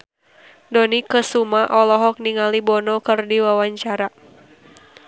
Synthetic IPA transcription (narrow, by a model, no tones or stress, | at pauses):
dɔnikəsumaʔɔlɔɦɔk̚niŋalibɔnɔkɨrdiwawaɲt͡ʃaɾa